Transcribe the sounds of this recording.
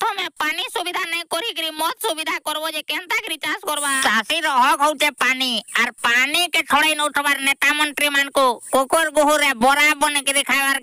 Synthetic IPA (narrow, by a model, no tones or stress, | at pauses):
t̪ʰɔmɛpanisubid̪ʱanɛjkɔɾikɾimɔt̪subid̪ʱakɔɾbɔd͡ʒɛkɛnt̪akɾit͡ʃaskɔɾbat͡ʃasiɾɔɦɔkɦɔwt͡ʃɛpaniaɾpanikɛʈʰɔɽajnɔuʈʰɔbaɾnɛt̪amɔɳʈɾimankukokoɾɡuɦuɾɛbɔɾabɔnekɛd̪ɛkʰajbaɾ